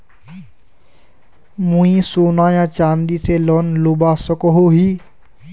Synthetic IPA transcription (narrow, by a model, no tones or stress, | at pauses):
mũĩsoːnaːjãːt͡ʃaːnd̪iːselɔnlubaːsəkoɦoːɦiː